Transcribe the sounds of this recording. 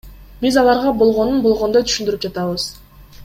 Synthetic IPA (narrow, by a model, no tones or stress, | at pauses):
bizɑlˠɑɾʁɑbo̞lˠʁo̞nunbo̞lˠʁo̞nd̪ot̪ʰy̥ʃynd̪yɾyp̚d͡ʒɑt̪ɑβɯz̥